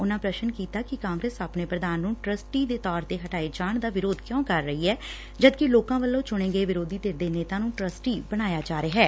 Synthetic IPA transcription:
ʊnãːpɾəʃənkiːt̪aːkɪkãːŋɡɾeːsəpneːpɾəd̪aːnːũːʈɾəsʈiːd̪eːt̪ɔːɾt̪eːɦəʈaːid͡ʒaːɳd̪aːʋɪɾoːd̪kjõːkəɾːəɦiːɦɛː | d͡ʒəd̪kɪloːkãːʋəlːõːt͡ʃʊɽ̃eːɡəeːʋɪɾoːd̪iːt̪eːɾd̪eːneːt̪ãːnũːʈɾəsʈiːbəɽ̃aːjaːd͡ʒaːɾeɦɛː

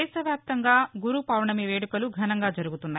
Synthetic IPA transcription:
ɛːʃɐʋjaːp̚t̪ɐŋɡaːɡuɾupɐːwɳɐmiʋeːɽukɐluɡʱɐnɐŋɡaːd͡ʒɐɾuɡut̪unːaːj

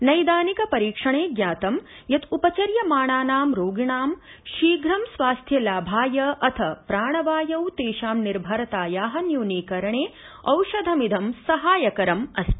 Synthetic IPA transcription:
nɐjd̪aːnikɐpɐɾiːkʂɐɳeːɡjaːt̪ɐm | jɐt̪upɐt͡ʃɐɾjɐmaːɳaːnaːmɾoːɡiɳaːm | ʃiːɡɾɐmsʋaːst̪ʰjɐlaːbʱaːjɐʔɐt̪ʰɐpɾaːɳɐʋaːjɐwt̪eːʃaːmniɾbʱɐɾɐt̪aːjaːɦɐnjuːniːkɐɾɐɳeː | ɐwʃɐd̪ʱɐmid̪ʱɐmsɐɦaːjɐkɐɾɐmɐst̪

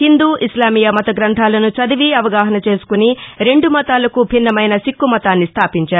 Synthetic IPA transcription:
hind̪uːʔislaːmiːjɐmɐt̪ɐɡɾɐnt̪ʰaːlɐnut͡ʃɐd̪iʋiɐʋɐɡaːɦɐnɐt͡ʃe̞ːsu̥kuniɾe̞ɳɖumɐt̪aːlɐkubʱinːɐmɐjnɐsikːumɐt̪aːnːist̪ʰaːpiɲt͡ʃaːɾu

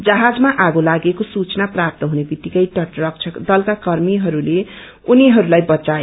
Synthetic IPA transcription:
d͡zʌɦad͡zmaʔaɡolaɡekosut͡snaprap̚t̪ʌɦunebit̪ːikʌjʈʌʈrʌkt͡ʃʰʌkd̪ʌlkakʌrmiɦʌɾule | uniɦʌɾulajbʌt͡sae

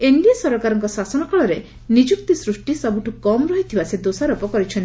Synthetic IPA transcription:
eɳɖijasɔɾɔkaɾɔŋkɔsasɔnɔkaɭɔɾe | nid͡ʒuk̚t̪isɾusʈisɔbuʈʰukɔmɾɔɦit̪ʰibased̪osaɾɔpɔkɔɾit͡ʃʰɔnt̪i

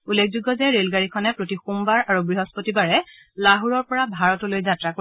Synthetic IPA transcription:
ulːek̚ʰzuɡːɔzɛɹelɡaɹikʰɔnɛpɹotixumbaɹaɹuɡɹiɦɔspotibaɹɛ | laɦuɹɔɹpɔɹabʱaɹɔtolojzatɹako

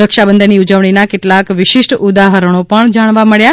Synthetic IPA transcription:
ɾəkʃabənd̪ʱəniud͡ʒəʋɳ̃inakɪʈlakʋɪʃɪʃʈud̪aɦəɾəɳ̃opəɳd͡ʒaɽ̃ʋaməɭja

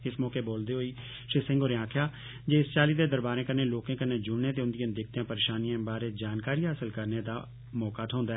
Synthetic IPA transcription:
ɪsmɔːkeːboːld̪eːɦoiː | ʃɾɪsɪ̃ŋɡoːɾẽãːkʰjaː | d͡ʒeːɪst͡ʃaːliːd̪eːd̪əɾbaːɾẽːkəɾneːloːkẽːkənːeːd͡ʒʊɽneːt̪eːʊnd̪ɪiãːd̪ɪkʰt̪eãːpəɾeːʃaːniãːbaːɾeːd͡ʒaːnkaːɾiːɦaːsəlkəɾneːd̪a̰ː | mɔːkaːt̪ʰɦãːnd̪aːɛ

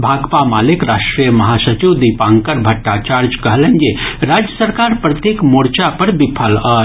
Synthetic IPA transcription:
bʱaːɡpamaːlekɾaʃʈɾijəmɐɦasət͡ʃiwd̪ipãŋkəɾbʱɐʈːat͡ʃaːɾd͡ʒkəɦlə̃nd͡ʒeɾad͡ʒjəsəɾkaːɾpɾət̪jekmoɽt͡ʃapəɾbipʰələ

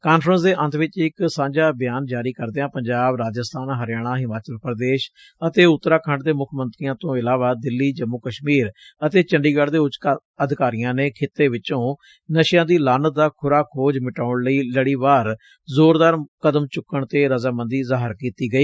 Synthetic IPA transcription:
kaːnpʰɾəns̬d̪eːʔənt̪ʰʋɪt͡ʃɪksãːɲd͡ʒaːbɪjaːnd͡ʒaːɾiːkəɾd̪eːãːpəɲd͡ʒaːbɾaːd͡ʒəst̪ʰaːnɦəɾɪjaːɽ̃ãːɦɪmaːt͡ʃəlpəɾəd̪eːʃ | ət̪eːʊt̪ːɾaːkʰə̃ɳɖd̪eːmʊkʰmə̃nt̪ɾijãːt̪õːɪlaːʋaːd̪ɪlːiːd͡ʒəmːʊkəʃmiːɾət̪eːt͡ʃəɳɖiːɡaɽd̪eːʊt͡ʃka | əd̪ʱɪkaːɾijãːneːkʰɪt̪ːeːʋɪt͡ʃõː | nəʃjãːd̪iːlaːnd̪aːkʰʊɾaːkʰoːd͡ʒmɪʈaːʊɳləiːləɽiːʋaːɾ | zoːɾd̪aːɾkəd̪əmt͡ʃʊkːəɳt̪eːɾəzaːmə̃nd̪iːzaːɦəɾkiːt̪iːɡəiː

